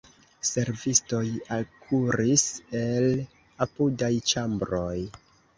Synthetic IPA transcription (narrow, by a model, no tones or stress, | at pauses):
se̞ɾvisto̞jalkʰuɾise̞l | apudajt͡ʃambɾo̞j